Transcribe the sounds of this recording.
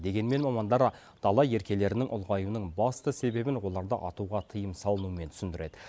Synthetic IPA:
d̪e̞ɡʲe̞nme̞nmɑmɑnd̪ɑɾ | d̪̥ɑlˠɑje̞ɾkʲe̞le̞ɾɪnɪŋʔʊ̰lˠʁɑjunəɴbɑst̪əse̞be̞bɪnwo̞lˠɑɾd̪əʔɑt̪uʁɑt̪ʰəjəmsɑlˠənuəme̞nt̪ʰʏ̥sɪnd̪ɪɾe̞d̪̥ɪ

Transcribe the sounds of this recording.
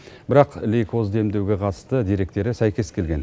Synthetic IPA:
bɪɾɑqlijkʰo̞zd̪e̞md̪ewɡʲe̞qʰɑt̪ə̥st̪əd̪eɾe̞k̚t̪e̞ɾɪsæjkʲe̞skʲʰe̞lɡʲe̞n

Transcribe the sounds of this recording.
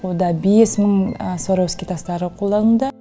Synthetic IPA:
od̪ɑbesməɴsoɾɑwskʲet̪ʰɑst̪ɑɾəqʰolˠd̪ɑnəd̪ə

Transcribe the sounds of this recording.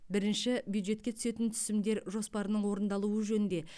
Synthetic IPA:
bɪɾɪnʃɪbjud̪ʒe̞t̪̚kʲe̞t̪ʰʏ̥se̞t̪ɪnt̪ʰʏ̥sɪmd̪e̞ɾʒo̞spɑɾənəɴwo̞ɾənd̪ɑlˠuəʒɵnɪnd̪e̞

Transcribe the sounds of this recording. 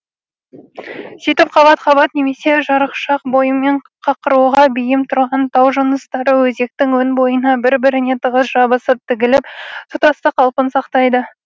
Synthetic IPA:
sijt̪ɪpqʰɑbɑt̪χɑβɑt̪ne̞me̞se̞ʒɑɾəqʃɑq̚bo̞jəme̞ɴ | qʰɑqəɾuʁɑbɪjɪmt̪ʰʊɾʁɑnt̪ʰɑwʒənəst̪ɑɾəwɵze̞k̚t̪ɪŋwɵnbo̞jənɑbɪɾbɪɾɪne̞t̪ʰəʁəsʒɑbəsəp̚t̪ʰɪɡʲɪlɪp̚t̪ʰʊt̪ɑst̪əqʰɑlˠpənsɑqt̪ɑjd̪ə

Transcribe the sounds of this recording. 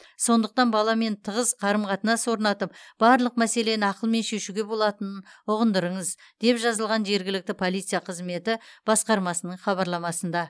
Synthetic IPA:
so̞nd̪əq̚t̪ɑnbɑlˠɑme̞nt̪ʰəʁəzqʰɑɾəmqɑt̪ənɑso̞ɾnɑt̪əp̚b̥ɑɾlˠəq̚mæse̞le̞nɪɑqəlˠme̞nʃe̞ʃuɡʲe̞bo̞lˠɑt̪ənənʊʁənd̪əɾəɴəzd̪̥e̞pʒɑzəlˠʁɑnʒe̞ɾɡʲɪlɪk̚t̪ɪpʰo̞lˠijt̪sɨjɑqʰəzme̞t̪ɪb̥ɑsqɑɾmɑsənəɴχɑβɑɾlˠɑmɑsənd̪ɑ

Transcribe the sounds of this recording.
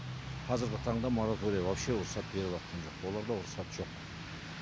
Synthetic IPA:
qʰɑzɪɾɡʲɪt̪ʰɑɴd̪ɑmo̞ɾat̪oɾijɑwowʃeʊɾsɑt̪̚be̞ɾɪlˠɑt̪̚qɑnʒo̞qwo̞lˠɑɾd̪ɑʊɾsɑt̪ʒ̥o̞q

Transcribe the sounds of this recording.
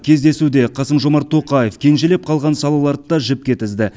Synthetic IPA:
kʲʰe̞zd̪e̞sud̪e̞qʰɑsəmʒo̞mɑɾt̪ʰːo̞qɑje̞fkʲʰe̞nʒele̞p̚qʰɑlˠʁɑnsɑlˠɑlˠɑɾd̪əd̪ɑʒɪp̚kʲe̞t̪ɪzd̪ɪ

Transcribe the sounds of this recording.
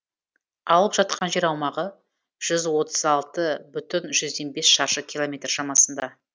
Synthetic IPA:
ɑlˠəpʒ̥ɑt̪̚qʰɑnʒe̞ɾɑwmɑʁə | ʒ̥ʏzwo̞t̪ʰə̥zɑlˠt̪əbʏt̪ɪnʒʏzd̪e̞nbe̞sʃɑɾʃəkʲʰilˠo̞mʲe̞t̪rʃɑmɑsənd̪ɑ

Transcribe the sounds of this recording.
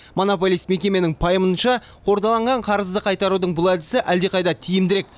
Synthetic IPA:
mo̞no̞p̬o̞lʲijst̪me̞kʲe̞me̞nɪŋpʰɑjəmənʃɑ | qʰo̞ɾd̪ɑlˠɑɴʁɑɴqʰɑɾəzd̪əqʰɑjt̪ɑɾud̪əɴbʊlˠæd̪ɪsɪʔæld̪e̞qʰɑjd̪ɑt̪ʰijɪmd̪ɪɾe̞k̚

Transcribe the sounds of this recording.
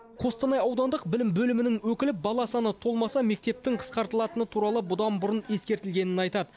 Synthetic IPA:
qʰo̞st̪ɑnɑjɑwd̪ɑnd̪əqbɪlɪmbɵlɪmɪnɪŋwɵkʲɪlɪp̚bɑlˠɑsɑnət̪ʰo̞lˠmɑsɑme̞k̚t̪e̞p̚t̪ɪŋqʰə̥sqɑɾt̪əlˠɑt̪ənət̪ʰuɾɑlˠəbʊd̪ɑnbʊɾəne̞skʲe̞ɾt̪ɪlɡʲe̞nɪnɑjt̪ɑd̪ə

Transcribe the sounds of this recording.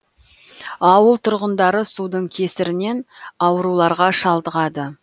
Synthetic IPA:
ɑwəlˠt̪ʰʊɾʁənd̪ɑɾəsud̪əɴkʲʰe̞sɪɾɪne̞nɑwəɾulˠɑɾʁɑʃɑlˠd̪əʁɑd̪ə

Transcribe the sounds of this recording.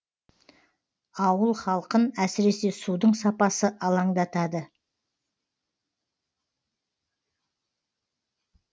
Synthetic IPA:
ɑwəlˠχɑlˠqənæsɪɾe̞se̞sud̪əɴsɑpɑsəʔɑlˠɑɴd̪ɑt̪ɑd̪ə

